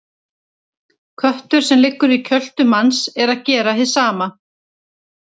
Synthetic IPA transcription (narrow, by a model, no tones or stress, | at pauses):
kʰvœht̪ʏɾ̥sɛmlɪkːʏɾicʰœl̥t̪ʏmansɛɾaðcɛːɾahɪ̥saːma